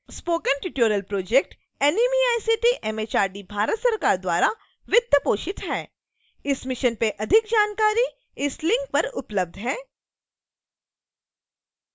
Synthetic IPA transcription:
spoːkənʈɪʈjoːɾjəlpɾoːd͡ʒek̚ʈ | ɛːnimiaːjsiːʈiʔɛmeːt͡ʃaːɾɖibʱaːɾət̪sɐɾkaːɾd̪waːɾa | ʋɪt̪jəpoːʃɪt̪ɦɛː | ɪsmɪʃənpeʔɐd̪ʱɪk̚d͡ʒaːnkaːɾi | ɪslɪ̃ŋk̚pɐɾʊpləb̚d̪ʱɦɛː

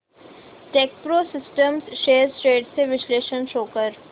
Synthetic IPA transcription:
ʈeːk̚pɾoːsɪsʈəmsʃeːɾsʈɾeːɖseʋɪsleːʃənʃoːkəɾ

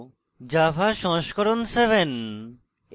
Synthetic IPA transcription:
d͡ʑafaʃɔ̃ŋʃkoɾonseβʱen

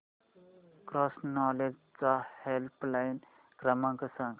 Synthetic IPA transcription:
kɾɔsnɔled͡ʑt͡sahelplajin | kɾəmãŋkəsãŋɡ

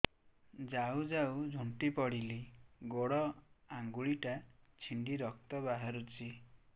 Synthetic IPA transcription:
d͡ʒawd͡ʒawd͡ʒʱuɳʈipɔɽiliɡoɽɔaŋɡuɭiʈat͡ʃʰiɳɖiɾɔk̚t̪ɔbaɦaɾut͡ʃʰi

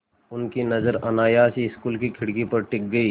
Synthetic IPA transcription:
ʊnkinɐzəɾɐnaːjaːsiɪskuːlkikʰɪɽkipɐɾʈɪk̚ɡɐiː

